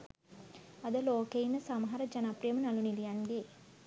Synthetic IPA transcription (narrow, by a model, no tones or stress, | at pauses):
ɐd̪əloːkeinəsamɦaɾəd͡ʒanapɾijəmənalunilijanɡeː